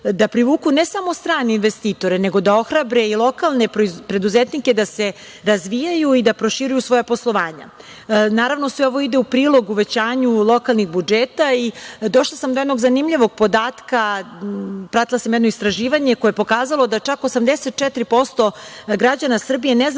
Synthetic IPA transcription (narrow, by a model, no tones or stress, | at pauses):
d̪apɾiʋuːkunesamo̞st̪ɾaːneinʋest̪iːt̪o̞ɾene̞ɡo̞d̪ao̞xɾabɾe̞ilˠo̞kalˠne̞ppɾe̞d̪uzet̪nike̞d̪ase̞ | ɾazʋijajuid̪apɾo̞ʃiɾujusʋo̞japo̞slˠo̞ʋaːɲa̰ | naːɾaʋno̞sʋeo̞ʋo̞id̪eupɾiːlˠo̞ɡuʋe̞t͡ɕaːɲulˠo̞kalˠnixbud͡ʒeːt̪aid̪o̞ʃlˠasamd̪ojed̪no̞ɡzanimʎiʋo̞ɡ̚po̞d̪aːt̪ka | pɾat̪ilˠasamjɛd̪noist̪ɾaʒiːʋaɲekojepo̞kaːzalˠo̞d̪at͡ʃakosamd̪eset̪̚t͡ʃɛt̪ɾipo̞st̪o̞ɡɾad͡ʑanasr̩bije̞nez